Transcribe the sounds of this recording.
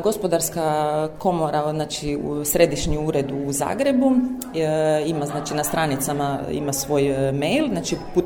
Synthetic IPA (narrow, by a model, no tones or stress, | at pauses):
ɡo̞spo̞d̪aɾskako̞moɾaznaːt͡ʃiṵsɾe̞d̪iʃɲiuɾe̞d̪uːza̰ːɡɾe̞bu | imaznaːt͡ʃinast̪ɾanit̪samaḭmasʋo̞ːjmejlˠznaːt͡ʃipu